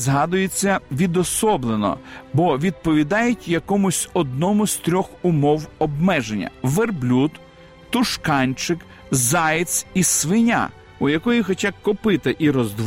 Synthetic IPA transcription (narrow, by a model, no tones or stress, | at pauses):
zɦɑd̪ʊjet͡sʲːɐʋʲid̪ɔsɔblˠenɔ̰bɔʋʲid̪̚pɔʋʲid̪ɑjɪtʲjɐkɔmʊsʲɔd̪nɔmʊsʲt̪ɾʲɔxʊmɔwɔbmɛʒenʲːɐ̰ʋerblʲut̪ | t̪ʊʃkɑnʲt͡ʃɪk | zɑjt̪sisʋɪnʲa̰ | ʊjɐkɔjixɔt͡ʃakɔpɪt̪ɪʔiɾɔzd̪ʋ